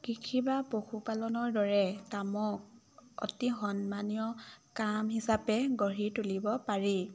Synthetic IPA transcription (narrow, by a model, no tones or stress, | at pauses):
kikʰibapoxupalɔnɔɹdɔɹɛtamɔk̚ | ɔ̰tiɦɔnmanijɔkamɦisapɛɡɔɹitulibɔpaɹi